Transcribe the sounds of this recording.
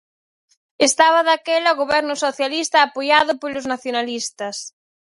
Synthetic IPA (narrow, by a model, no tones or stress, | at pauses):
est̪aβɐðakɛlaoɣoβɛɾnʊsoθjalist̪ɐːpojaðʊpolʊznaθjonalist̪ɐs